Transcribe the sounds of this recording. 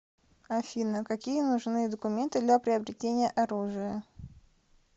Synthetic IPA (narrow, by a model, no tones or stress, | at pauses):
ɐfʲinəkɐkʲijənʊʐnɨjəd̪əkʊmʲe̞nt̪ɨd̪lʲapɾʲɪɐbɾʲɪtʲenʲɪjəʔɐɾuʐɨjə